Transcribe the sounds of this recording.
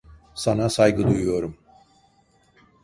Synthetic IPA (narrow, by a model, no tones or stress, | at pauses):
sanasajɡɯd̪ujujo̞ɾum